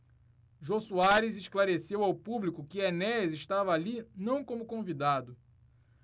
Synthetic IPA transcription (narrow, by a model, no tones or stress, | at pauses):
ʒosuaɾɪzeʃklaɾesewawpublikʊkɪenɛzɪʃt̪avɐːlinɐ̃w̃kõmʊkõvid̪ad̪ʊ